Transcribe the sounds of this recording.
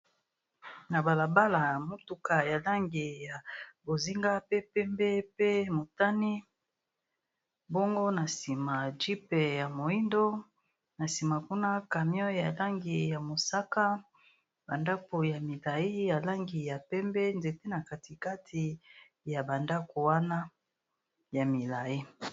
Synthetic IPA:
na˨ba˨la˨ba˦la˨jmo˦tu˨˦ka˨ja˨la˦ŋɡi˨ja˨bo˨zi˦ŋɡa˦pe˦pɛ˦mbɛ˦pe˦mo˨ta˦ni˦ | bo˦ŋɡo˦na˨si˨ma˨d͡ʒi˦pe˨ja˨mo˨i˦ndo˦ | na˨si˨ma˨ku˦na˦ka˨mjɔ˦ja˨la˦ŋɡi˨ja˨mo˨sa˦ka˦ | ba˨nda˦ko˨ja˨mi˨la˨ji˦ja˨la˦ŋɡi˨ja˨pɛ˦mbɛ˦nze˨te˦na˨ka˨ti˨ka˦tʰi˨ | ja˨ba˨nda˦ko˨wa˦na˦ | ja˨mi˨la˨ji˦

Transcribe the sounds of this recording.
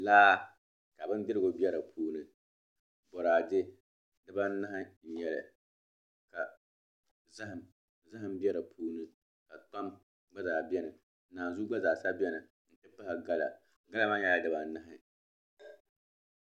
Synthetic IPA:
laː˦ | ka˨bɨ˦n˦dɪ˦ɾɨ˦ɡʊ˨bi˦ɛ˦ɾɨ˨pʰuː˦nɨ˨ | bɔ˨ɾaː˨d͡ʒɪ˦ | dɨ˦ba˦n˦na˦ɦa˦n̩˨ɲɛ˦lɨ̰˨ | ka˨ | za˦ɦɨ˨m | za˦ɦɨ˦mbi˦ɛ˦ɾɨ˨pʰuː˦nɨ˦ | ka˨ta˦m | ɡ͡ba˦zaː˨bi˦ɛ˦nɨ˨˦ | naː˨zu˦ɡ͡ba˦zaː˨sa˦bɛ˦nɨ˨ | n̩˨t͡ʃɛ˦pa˦ha˨ɡa˦la̰˨ | ɡa˦la˦ma˦ɛ˦la˦dɨ˦ba˨n̩˦na˦ɦɪ˨

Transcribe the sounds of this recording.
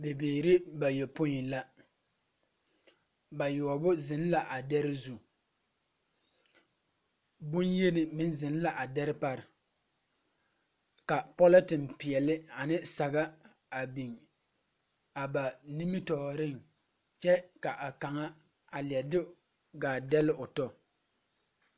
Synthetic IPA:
be˨beː˨ɾɪ˦ba˨jɛ˨po˦i˨la˦ | ba˨jɔ˨ɔ˨bʊ˦zɪ˨n˦la˨ʔa˨dɛ˦ɾɪ˦zu˨ | bʊ˦nje˦nɪ˨mɪ˦n˦zɪ˨n˦la˨ʔa˨dɛ˦ɾɪ˦pa˦ɾɪ˨ | ka˨pɔ˦la˦tɪ˨npi˨ɛ˨lɪ˦a˨nɪ˦sa˨ɡa˦ | a˨bi˨ŋ | a˨ba˨ni˦mi˦tɔ˨ɾɪ˦˨ŋ | t͡ʃɛ˦ka˨ʔa˨ka˨ŋa˦ | a˨lɪ˨ɛ˨dɪ˦ | ɡaː˨dɛ˦lɪ˦ʔʊ˨tɔ˦

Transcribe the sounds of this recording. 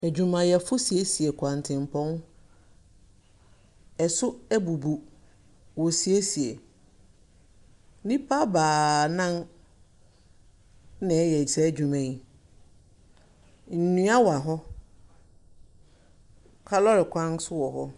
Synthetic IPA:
æ˨d͡ʑᶣu˨mã˨jɛ˨fʊ˦si˨e˦si˨e˨kʷʰã˨n˨tʰɪ̃˨m˨pʰɔ̃˦n | ɛ˨sʊ˦æ˦bu˨bu˨ | wɔ˨si˨e˦si˨e˨˦ | nĩ˦pʰa˦baː˨nã˦n | nɪ̃˨ɛ˦jɛ˨i˨sɛ˦d͡ʑᶣu˨mã˨i˨ | n̩˨nũ˦a˦wa˨ɦɔ˦ | kʰa˦lɔ˦ɾɪ˨kʰʷã˦nsʊ˦wɔ˨ɦɔ˦

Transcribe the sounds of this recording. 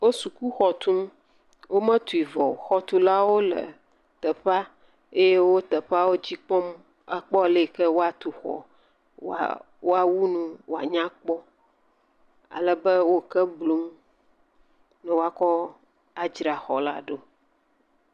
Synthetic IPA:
wo˦su˨ku˦xɔ˨t̪ũ˦m | wo˦mɛ̃˦t̪u˨i˨vɔ˨xɔ˦t̪u˦la˦wo˦lə̰˨ | t̪ɛ˨ɸa˦ | e˦je˦wo˦t̪ə˨ɸa˦wo˦d͡ʑi˦k͡pɔ˦m | a˦k͡pɔ˦˨le˦˨kɛ˦wo˦a˨t̪u˨xɔ̰˨ | wa̰ | wo˦a˨wu˦nũ˦wo˨a̰˨ɲã˦k͡pɔ˦ | a̰˨lɛ˦bə˦wo˦kɛ˦blo˨˦m | nɛ̃˨wo˦a˦kɔ˦ | a˨d͡ʒɾa˨xɔ˨la̰˦ɖo˦

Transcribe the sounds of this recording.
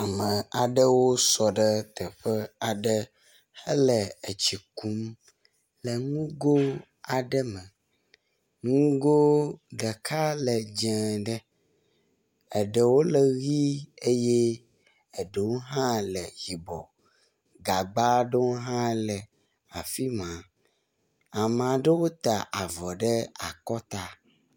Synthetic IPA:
a˨mə̃˨a˨ɖə˦wo˦sɔ˨ɖə˦t̪ə˨ɸə˦a˨ɖə˦ | hə˦lə˨ə˨t͡ɕi˨ku˦m | lə˨ŋũ˦ɡo˦ | a˨ɖə˦mə˨ | ŋũ˦ɡo˦ɖə˨kʰa˦lə˨d͡ʒɛ̃˨ɖə˦ | ə˨ɖɛ˨wo˦lɛ˨ɣi˦e˦je˦ | ə˨ɖe˨wo˦ɦã˦lɛ˨ɣi˨bɔ˨ | ɡa˨ɡ͡ba˦ɖə˦wo˦ɦã˦lɛ˨ | a˨fi˦mã˨ | a˨m˨ã˨ɖə˦wo˦t̪a̰˨ʔa˨vɔ˨ɖə˦a˨kɔ˦t̪a˦

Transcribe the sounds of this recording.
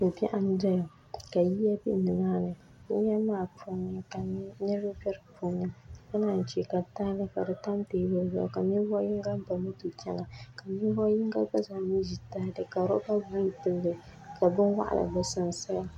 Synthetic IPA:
o˨pɛ˦ʔa˦n˦da˦jo˨ | ka˨ji˦ja˦bḭ˦ʔnɨ˨maː˦nɨ˨ | nɪ˦a˦maː˦˨pʰɔ˦nɨ˦ka˨˦ɲɛ˦ɾo˦bɛ˦ɾpo˦ɲɨ˦a˦na˨n̩˨t͡ʃi˨ka˨ta˦lɨ˦ka̰˨dɨ˨ta˦mteː˦bɨ˦lba˦˨ka˨mi˦bɔ˦ji˦ŋɡa˦m˦ba˨mɨ˦tu˨t͡ʃɛ˦na˨ka˨mi˦bɔ˦jɪ˦ŋɡa˦ba˦zaː˨mi˦ʒi˨ta˦dɨ˨ka˨ɾɔ˦ba˦bu˦pɨ˨lːɨ˨ka˨bɨ˦n˦wa̰˦ʔa̰˨lʔa̰˨bɨ˦sa˦n˨sa˦ja˨

